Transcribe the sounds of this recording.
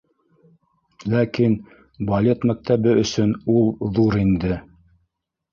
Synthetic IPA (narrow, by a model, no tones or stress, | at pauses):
lækin | bolʲe̞t̪mæk̚t̪æβɘɵ̆sɵnulˠðuɾind̪ɘ